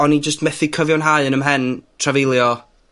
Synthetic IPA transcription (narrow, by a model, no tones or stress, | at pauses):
ɔnid͡ʒəstmɛθɪkʰəvjɔnɦaɨənəmɦɛntʰravɪlˠjɔ